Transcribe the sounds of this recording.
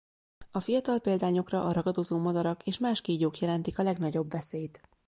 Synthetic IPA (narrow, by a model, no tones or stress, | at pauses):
ɒfijɒt̪ɒlpeːld̪aːɲo̞krɒʔɒɾɒɡɒd̪o̞zoːmɒd̪ɒɾɒkeːʃmaːʃkeːɟoːkjɛlɛnt̪ikɒlɛɡnɒɟo̞bʋɛseːjt̪